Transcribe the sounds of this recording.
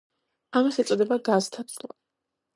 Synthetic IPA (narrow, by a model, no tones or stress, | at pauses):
amasɛt̪sʼɔd̪ɛbaɡazt̪ʰat̪sʼla